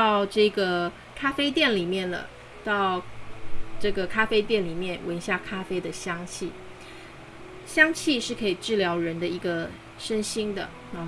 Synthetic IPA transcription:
ɑ˥˧ʊʈ͡ʂɤ˥˩ɡə˩ | kʰa˥fe˥ɪt̪jɛ˥˩nli˨˩mjɛ˥˩nlə̰˩ | t̪ɑ˥˧ʊ | ʈ͡ʂɤ˥˩ɡə˩kʰa˥fe˥ɪt̪̬jɛ˥˩nli˨˩mjɛ˥˩nwə˧˥nɕja˥˩kʰa˥fe˥ɪd̪ə˨ɕjɑ˥ŋt͡ɕʰi˥˩ | ɕjɑ˥ŋt͡ɕʰi˥˧ʂɻ̩˥˩kʰɤ˧˥i˨˩ʈ͡ʂɻ̩˥˩ljɑ˧˥ʊɻə˧˥nd̪ə˧i˧˥ɡə˧ | ʂə˥nɕi˥ŋd̪ə̰˨˧

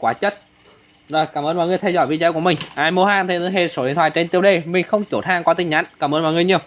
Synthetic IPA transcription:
kwaː˨˦t͡ɕə˦˥t̚ | zoː˨˩jkaː˧˩mʔəː˧nmɔ̰˧˨jŋɨ˧əjt̪ʰɛ˧wzɔ̰˧˩jvḭ˧˨t͡ɕəː˨˧˦ku˧˩əmï˨˩ŋ̟ʔaː˧˩jmu˧˦ɦaː˧˩nt̪ʰe˨˧˩t̪ːɦe˧˩so˨˦ḭ˨˧˩t̪ʰwaː˧˨˩t͡ɕe˧nt̪i˧əwɗe˧˩mï˨˩ŋ̟xə˧wŋ͡mt͡ɕo˨˩t̪ʰaː˧ŋkwɔː˨˦t̪ï˧˩ŋɲa̰˧˥ŋkaː˧˩mʔəː˧nmɔ̰˧˨jŋɨ˧əɲi˧əw

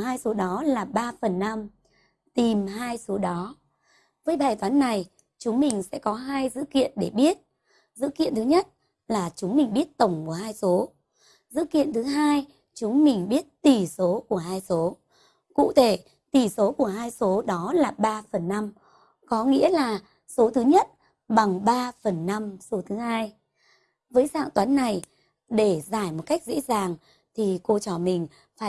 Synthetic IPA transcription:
haː˧jso˨˦ɗɔ˨˦laː˨˩ɓaː˧fə˨˩nːa˧m | t̪i˨˩mɦaː˧jso˨˦ɗɔ˨˦ | vəː˨˦jɓaː˨˩jt̪waː˨˦nːa˨˩j | t͡ɕʊ˨˦ŋ͡mmï˨˩ŋ̟sɛ̰˧˥kɔ˨˦ɦaː˧jzɨ̰˧˥kḭ˧˨ənɗe˧˩ɓi˦˥ət̚ | zɨ̰˧˥kḭ˧˨ənt̪ɨ˨˦ɲə˦˥t̚ | laː˨˩t͡ɕʊ˨˦ŋ͡mmï˨˩ŋ̟ɓi˦˥ət̚t̪ə˧˩wŋ͡mku˧˩əhaː˧jso˨˦ | zɨ̰˧˥kḭ˧˨ənt̪ʰɨ˨˦ɦaː˧j | t͡ɕʊ˨˦ŋ͡mmï˨˩ŋ̟ɓi˦˥ət̚t̪i˨˩so˨˦ku˧˩əɦaː˧jso˨˦ | kṵ˧˨t̪ʰe˧˩ | t̪i˨˩so˨˦ku˧˩əɦaː˧jso˨˦ɗɔ˨˦laː˨˩ɓaː˧fə˨˩nːa˧m | kɔ˨˦ŋḭ˧˥əlaː˨˩ | so˨˦t̪ʰɨ˨˦ɲə˦˥t̚ | ɓa˨˩ŋɓaː˧fə˨˩nːa˧mso˨˦t̪ʰɨ˨˦haː˧j | vəː˨˦jsa̰ː˧˨ŋt̪waː˨˦nːa˨˩j | ɗe˧˩zaː˧˩jmo˨˩t̚ka˦˥jk̟̚zḛ˧˥zaː˨˩ŋ | t̪ʰi˨˩ko˧t͡ɕɔ˧˩mï˨˩ŋ̟ | faː˧˩

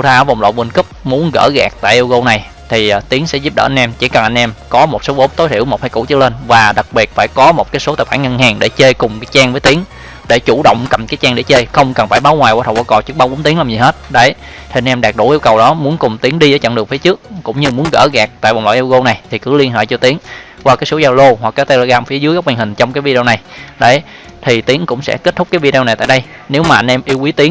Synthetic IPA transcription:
u˧t̪ʰaː˧˩va˨˩ŋ͡mlo̰ː˧˨jvə˧˩nkɨ˦˥p̚mu˨˦ənɣə̰ː˧˩ɣa˨˩k̚t̪a̰ː˧˨jʔi˧wɣo˧na˨˩j | t̪ʰi˨˩t̪i˨˦əŋsɛ̰˧˥zu˦˥p̚ɗə̰ː˧˩ʔa˧n̟ʔɛ˧mt͡ɕi˧˩kə˨˩nʔa˧ŋ̟ʔɛ˧mkɔ˨˦mo˨˩t̚so˨˦ɓo˨˦mt̪o˨˦jt̪ʰḭ˧˩əwmo˨˩t̚ha˧˩jku˧˩t͡ɕɨ˦˥le˧nvaː˨˩ɗa˨˩k̚ɓi˨˩ət̚faː˧˩jkɔ˨˦mo˨˩t̚kaː˨˦jso˨˦t̪aː˧˨˩waː˧˩ŋə˧nhaː˨˩ŋɗe˧˩t͡ɕe˧jkʊ˨˩ŋ͡mkaː˨˦jt͡ɕaː˧ŋvəː˨˦jt̪i˨˦əŋ | ɗe˧˩t͡ɕu˧˩ɗə̰˧˨wŋ͡mkə˨˩mkaː˨˦jt͡ɕaː˧ŋɗe˧˩t͡ɕe˧jxə˧wŋ͡mkə˨˩nfaː˧˩jɓaː˨˦wŋwaː˨˩jwt̪ʰwaː˧˩kɔ˧˩t͡ɕɨ˦˥k̚ɓa˧wɓo˨˦nt̪i˨˦əŋlaː˨˩ɲzi˨˩ɦe˦˥t̚ɗə˧˩j | t̪ʰi˨˩˨nʔɛ˧mɗaː˨˩k̚ɗṵ˧˩ʔi˧əwkə˨˩wɗɔ˨˦mu˨˦ənkʊ˨˩ŋ͡mt̪i˨˦əŋɗi˧zə˧˩jt͡ɕə̰˧˨nɗək̚fi˨˦t͡ɕɨ˦˥ək̚ːʊ̰˧˥ŋ͡mɲɨ˧mu˨˦ənɣə̰ː˧˩ɣa˨˩k̚t̪a̰ː˧˨jɓɔ̰˨ŋ͡mlɔ̰ː˧˨ʔi˧wɣo˧na˨˩jt̪ʰi˨˩kɨ˨˦li˧ənɦḛː˧˨jt͡ɕɔ˧t̪i˨˦əŋ | kwaː˧kaː˨˦jso˨˦zaː˧wlo˧hwa˨˩k̚ːt̪e˧lo˧˩ɣaː˧mfi˨˦zɨ˨˦əka˦˥k͡p̚hi̟˨˩hï˨˩ŋ̟t͡ɕɔ˧ŋ͡mkaː˨˦jvi˧ɗe˧na˨˩jɗə˨˦j | t̪ʰi˨˩t̪i˨˦əŋkʊ̰˧˥ŋ͡msɛ̰˧˥ke˦˥t̚t̪ʰʊ˦˥k͡p̚kːaː˨˦vi˧ɗe˧wa˨˩jt̪a̰ː˧˨jɗə˧j | ne˨˦wmaː˨˩ʔa˧nʔɛ˧mʔi˧wʔi˨˦t̪i˨˦əŋ

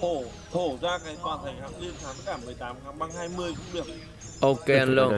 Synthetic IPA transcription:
ho˧˩ | ho˧˩zaː˧kaː˨˦jt̪waː˨˩nt̪ʰə˨˧˩jhaː˨˦ŋli˧ənsʰaː˨˦nt̪a˧˥k̚ːaː˧˩mɨ˨˩əjt̪aː˨˦mxaː˨˦ŋɓaː˧ŋhaː˧jmɨ˧əjko˧ɗi˨˩ək̚ | ʔo˧ke˧a˧nlo˧

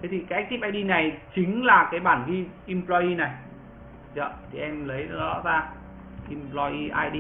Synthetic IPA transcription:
t̪ʰe˨˦t̪i˨˩kaː˨˦˥k̚t̪i˦˥p̚ʔaː˧ɗi˧na˨˩jt͡ɕï˨˦ŋ̟laː˨˩kaː˨˦jɓaː˧˩nɣi˧ʔi˧mplɔ˧i˧na˨˩j | zə̰˧˨t̪ʰi˨˩ʔɛ˧mlə˨˦jɗɔ̰˧˥zaː˧ | ʔi˧mplɔ˧ʔi˧ʔaː˧jɗi˧

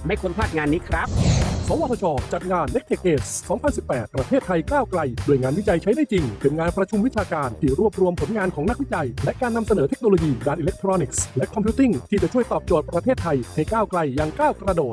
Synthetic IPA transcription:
ma˥˩jkʰu˧npʰaː˥˩t̪̚ŋaː˧nːiː˦˥kʰɾa˦˥p̚sɔː˨˩˦wa˧t̪ʰɔ˧t͡ɕʰɔː˧t͡ɕa˨˩t̪̚ŋaː˧nːe˦˥k̚t̪ʰeː˨˩k̚ʔeː˨˩ssɔː˩˦ŋpʰa˧nsi˨˩pːɛː˨˩t̪̚pɾa˧t̪ʰeː˥˩t̪ʰːa˧jkaː˥˩wkla˧jdu˧˩əjŋaː˧nwi˦˥t͡ɕa˧jt͡ɕʰa˦˥jdaː˥˩jt͡ɕi˧ŋpʰɯ˨˩nŋaː˧npɾa˧t͡ɕʰu˧mwi˦˥t͡ɕʰaː˧kaː˧nt̪ʰiː˥˩ɾu˥˩əp̚ɾu˧əmpʰo˩˦nŋaː˧nkʰɔː˩˦na˥k̚wi˦˥t͡ɕa˧jlɛ˦˥ʔkaː˧nːa˧msa˧nɤː˩˦e˦˥k̚noː˧loː˧jiː˧daː˧nʔiː˧le˦˥k̚t̪ʰɾɔː˧ni˨˩k̚slɛ˦˥kʰːɔ˧mpʰiː˦˥t̪i˥˩ŋt̪ʰiː˥˩t͡ɕa˨˩t͡ɕʰu˥˩əjt̪ɔː˨˩p̚t͡ɕoː˨˩t̪̚pɾa˧t̪ʰeː˥˩t̪ʰːa˧jha˥˩jkaː˥˩wkla˧jːaː˧ŋkaː˥˩wkɾa˧doː˨˩t̪̚

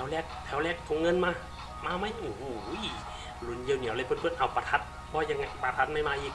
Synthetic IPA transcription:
ɛ˨˦wlɛː˧˩k̚t̪ʰɛ˨˦wlɛː˧˩k̚t̪ʰo˨˧˦ŋɤ˧˥˨nmaː˧˨ | maː˧ma˧˥˩ju˨˩u˧˦j | lu˨˦nji˧˨wni˨˦wla˧˦pʰɤ˧˥˨npʰɯ˧˨nʔa˨˩wpa˧t̪ʰa˧˥t̪̚ | bʰɔː˧˩˨ja˧ŋːa˧˩˨pa˧t̪ʰa˧˥t̪̚ma˧˥˩jmaː˧˨ʔiː˧˩

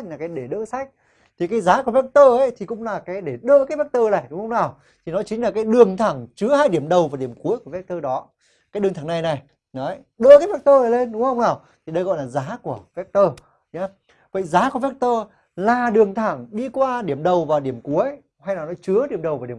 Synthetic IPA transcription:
laː˨˩kaː˨˦jɗe˧˩ɗə̰ː˧˥sa˦˥jk̟̚ | t̪ʰi˨˩kaː˨˦jzaː˨˦ku˧˩əvɛ˦˥k̚t̪əː˧ʔə˨˦jt̪ʰi˨˩kʊ̰˧˥ŋ͡mlaː˨˩kaː˨˦jɗe˧˩ɗə̰ː˧˥kaː˨˦vɛ˦˥k̚t̪əː˧laː˨˩jɗʊ˨˦ŋ͡mhə˧ŋ͡mnaː˨˩w | t̪ʰi˨˩nɔ˨˦jt͡ɕï˨˦ŋ̟laː˨˩kaː˨˦jɗɨ˨˩əŋt̪ʰa˧˩ŋt͡ɕɨ˨˦əhaː˧jɗi˧˩əmɗə˨˩wvaː˨˩ɗi˧˩əmku˨˦əjku˧˩vɛ˦˥k̚t̪əː˧ɗɔ˨˦ | kaː˨˦jɗɨ˨˩əŋt̪ʰa˧˩ŋna˨˩jna˨˩j | nɔ˨˦ | ɗə̰ː˧˨kaː˨˦vɛ˦˥k̚t̪əː˧a˨˩le˧nɗʊ˨˦ŋ͡mhə˧wŋ͡mnaː˨˩w | t̪ʰi˨ɗə˧jɣɔ̰˧˨jlaː˨˩zaː˨˦ku˧˩əvɛ˦˥k̚t̪əː˧ | ɲaː˨˧˦ | və̰˧˨jzaː˨˦ku˧˩əvɛ˦˥k̚t̪əː˧ | laː˨˩ɗɨ˨˩əŋt̪ʰaː˧˩ŋɗi˧kwaː˧ɗi˧˩əmɗə˨˩wvaː˨˩wɗi˧˩əmku˨˦əj | ha˧jnaː˨˩nɔ˨˦jt͡ɕɨ˨˦əɗi˧˩əmɗə˨˩wvaː˨˩i˧˩˨

